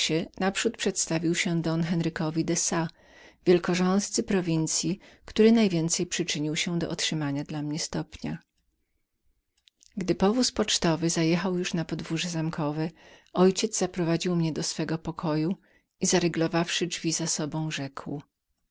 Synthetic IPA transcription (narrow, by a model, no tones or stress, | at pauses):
ɕɛnapʂut̪̚pʂɛt̪st̪avʲiwɕɛd̪ɔnxɛnɾɘkɔvʲid̪ɛsa | vʲjɛlkɔʐɔ̃ñst̪sɘpɾɔvʲint̪sʲjikt̪uɾɘnajvʲjɛnt̪sɛjpʂɘt͡ʂɘɲiwɕɛd̪ɔ̰ʔɔtʂɘmaɲad̪lamɲɛst̪ɔpɲa | ɡd̪ɘpɔvuspɔt͡ʂt̪ɔvɘzajɛxawjuʂnapɔd̪vuʐɛzamkʰɔvɛɔjt͡ɕɛd̪zzapɾɔvad͡ʑiwmɲɛd̪ɔsfɛɡɔpɔkʰɔju | izaɾɘɡlɔvafʂɘvʲizasɔbɔ̃w̃ʐɛkw